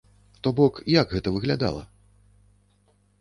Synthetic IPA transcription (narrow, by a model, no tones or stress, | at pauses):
t̪ɔbɔkjaɡɣɛt̪ɐvɨɣlʲad̪a̰lˠɐ̰